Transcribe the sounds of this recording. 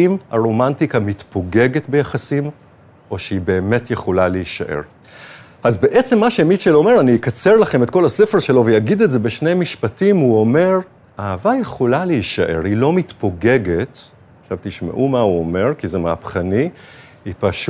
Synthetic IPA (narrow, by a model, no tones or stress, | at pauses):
imaʁo̞mantikamitpʰo̞ɡeɡetbejaχasim | ʔo̞ʃeibe̞ːmetjeχo̞laleiʃaʔe̞̰ʁ | ʔazbe̞ʔet͡se̞mːaʃemiʃelome̞ʁanikat͡se̞ʁlaχe̞metko̞lasefeʁʃelo̞vejaɡid̪eze̞be̞ʃne̞jmiʃpatimuo̞me̞ʁ | aavajeχolaleiʃaʔe̞̰ʁilo̞mit̪po̞ɡe̞ɡet | χʃavt̪iʃmḛʔumauome̞ʁkizemeapχani | ipaʃ